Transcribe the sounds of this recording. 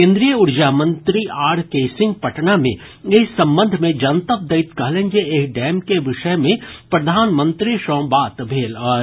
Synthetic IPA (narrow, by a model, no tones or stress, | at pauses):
kẽːnd̪ɾijəʊɾd͡ʒaːmə̃nt̪ɾiʔaːɽkeːsɪ̃ŋɡ̚pɐʈnamḛ̃ | esɐ̃mbə̃nd̪ʱmẽd͡ʒɐnt̪əp̚d̪ɐɪt̪kɐɦlẽnd͡ʒeeːkɖɛːmkeʋɪʃəjmẽpɾɐd̪ʱaːnmə̃nt̪ɾiʃɔ̃ːbaːt̪bʱeːlɔːɾ